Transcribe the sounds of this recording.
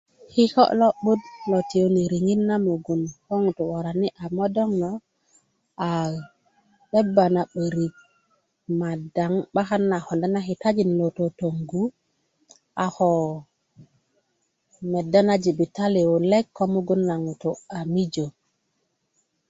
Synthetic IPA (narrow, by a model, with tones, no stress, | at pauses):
hi˦ho̰˦ʔlo˦ɓu˦dlo˨ti˨o˦ni˨ɾi˨ŋi˦nːa˦mu˨ɡu˨nho˦ŋu˨tu˨wa˨ɾa˨ni˦ʔa˨mo˦do˦ŋno˨ | a˨ | ɓe˦bːa˨na˨ɓə˨ɾi˨k̚ | ma˨da˨ŋɓa˦xa˦nːa˨ho˨nda˦na˦xi˨ta˦d͡ʒi˨nlo˨to˨to˨ŋɡu˦ | a˨ho˨ | me˨da˦na˦d͡ʒi˨bi˨ta˦li˨wo˨le˦kʰːo˦mu˦ɡu˦nːa˨ŋu˨to˨a˨mi˦d͡ʒo˨